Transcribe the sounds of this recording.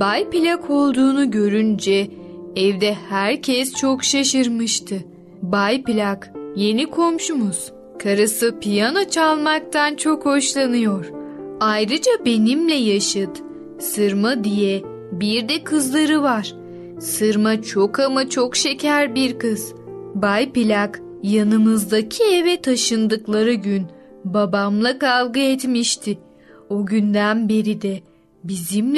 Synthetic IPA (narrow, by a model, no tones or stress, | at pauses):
bajpilʲakʰo̞lˠd̪uːnuɟø̞ɾynd͡ʒɛ | ɛvd̪ɛhæɾcʰɛst͡ʃʰokʃaʃɯɾmɯʃt̪ʰɯ | bajpilʲakje̞nikʰo̞mʃumuz̥ | kʰaɾasɯpʰijano̞t͡ʃʰalˠmak̚t̪ʰant͡ʃʰo̞kho̞ʃlˠanɯjo̞ɾ̥ajɾɯd͡ʒabe̞nimlʲɛjaʃɯt̪ | sɯɾmad̪ijɛ | biɾd̪ɛkʰɯzlˠaɾɯvaɾ̥ | sɯɾmat͡ʃʰo̞kʰamat͡ʃʰo̞kʃe̞cʰæɾbiɾkɯz̥ | bajpilʲak | janɯmɯzd̪acʰievɛt̪ʰaʃɯnd̪ɯklˠaɾɯɟynbabamlˠakalˠɡɯɛt̪miʃt̪ʰɪ | oɟynd̪ænbe̞ɾid̪ɛ | bizimʲ